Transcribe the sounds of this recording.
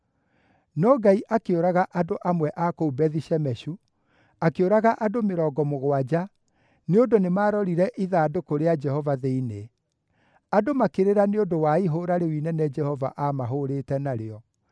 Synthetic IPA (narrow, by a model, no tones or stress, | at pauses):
nɔɡaiʔakeoɾaɣaʔadoʔamwɛʔakoubɛðiɕɛmɛɕu | akeoɾaɣaʔadomeɾɔːɡɔmoɣwad͡ʒa | neondonemaːɾɔɾiɾɛʔiðaːdokoɾead͡ʒɛhɔvaðeine | adomakeɾeɾaneondowaiɦoɾaɾewinɛnɛd͡ʒɛhɔva̰ʔamaɦoɾetɛnaɾeɔ